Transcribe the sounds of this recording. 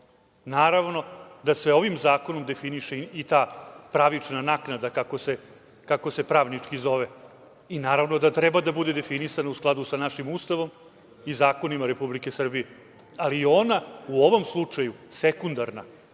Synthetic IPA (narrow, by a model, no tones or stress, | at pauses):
naːɾaʋno̞d̪asʋeo̞ʋimzaːko̞no̞md̪efiniʃeit̪aːpɾaʋit͡ʂnanaknad̪akakose | kako̞se̞pɾaːʋnit͡ʂkizo̞ʋe | inaːɾaʋno̞d̪at̪ɾɛbad̪abud̪ed̪e̞finisanausklˠad̪usanaʃimust̪aʋo̞m | izaːko̞nimaɾe̞publike̞sr̩bije | aliːo̞nauoʋo̞mslˠut͡ʂajusekund̪aɾna̰